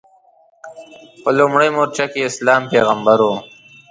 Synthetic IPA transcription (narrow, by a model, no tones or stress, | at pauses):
pəlumɽajmoɾt͡ʃakeɪslɑːmpeːɣambaɾo